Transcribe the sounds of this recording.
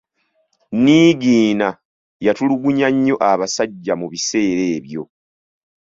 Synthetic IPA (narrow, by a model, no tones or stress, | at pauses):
niːɡiːna | jatuluɡuɲaɲːo̞ʔaβasaɟːamuβise̞ːɾe̞ːβjo̞̰